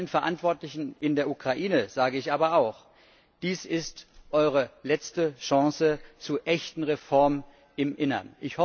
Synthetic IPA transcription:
lənfɛɐʔantv̥ɔɐtlɪçn̩ʔɪndeːɐʔukʁ̥aʔiːnəz̥aːɡəɪçʔaːbɐaʊx | d̥iːsɪstʔɔʏʁ̞əlɛt͡stəʃɑ̃ŋsət͡suːɐʔɛçtn̩ʁefɔɐm | ɪmʔɪnɐ̰nʔɪçhɔ

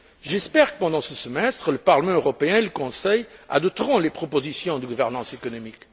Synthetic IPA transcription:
ʒɛspɛʁkə̥pɑ̃d̪ɑ̃səsəmɛst̪χələpaʁləmɑ̃øʁɔpeɛ̃eləkɔ̃sɛja̰d̪ɔp̚t̪ʁɔ̃lepχɔpozisjɔ̃d̪əɡuvɛʁnɑ̃sekɔnɔmik

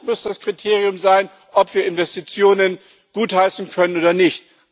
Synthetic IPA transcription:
mʊsd̥askʁ̥itʰeːʁ̞ijʊmzaɪn | ʔɔpv̥iːɐɪnvɛstit͡sjoːnən | ɡ̥uːthaɪsn̩kʰœnənoːdɐnɪçt

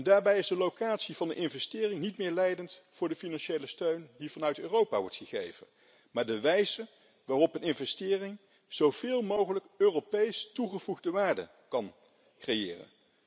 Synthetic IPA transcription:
ndaːɹbɛjɪzdəlowkaːtsivɑndəʔɪnvɛstɪːrɪŋnitmɪːɹlɛjdəntvʊːɹdəfinɑnʃejləstøɥndivɑnœɥtøːrowpa̰ʋɔ̰ɹtχəχḛjv̥ə̰n | maːɹdəʋɛjzə | ʋaːrɔpənɪnvɛstɪːrɪŋ | z̥owv̥ɪːlˠmowχələkøːrowpejstuχəv̥uχdəʋaːɹdə̰ | kɑn | krejɪ̰ːrə̰n

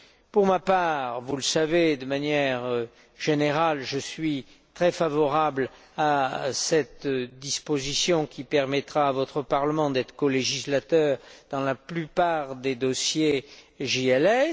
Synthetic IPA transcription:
puʁmapaːʁvuləsaved̪əmanjɛʁø | ʒeneʁalʒəsɥi | t̪χɛfavɔʁabl | asɛt̪d̪ispozisjɔ̃kʲʰipɛʁmɛt̪χaːvɔt̪χəpaʁləmɑ̃d̪ɛt̪χə̥kɔleʒislat̪œʁd̪̥ɑ̃laplypaʁd̪ed̪ɔsje | ʒiɛlɛ

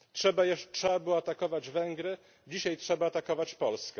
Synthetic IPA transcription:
tʂɛbajɛʂtʂɛabɘwat̪akɔvad͡ʑvɛŋɡɾɘ | d͡ʑiɕajtʂɛbaːt̪akɔvat͡ɕpɔlskɛ

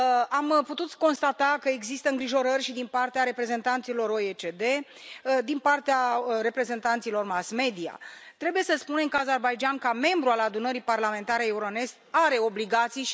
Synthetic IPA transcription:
amput̪ut̪ko̞nst̪at̪akəeɡzist̪əɨŋɡɾiʒo̞ɾərʲʃid̪inpart̪eaɾe̞pɾe̞ze̞nt̪ant̪silo̞ɾoet͡ʃed̪e̞ | d̪inpart̪eare̞pɾe̞ze̞nt̪ant̪silo̞rmasme̞d̪ia̰t̪ɾe̞buje̞səspune̞ŋkazerbajd͡ʒankame̞mbɾualad̪unəɾiparlame̞nt̪aɾeeuɾone̞st̪aɾe̞o̞bliɡat̪sij

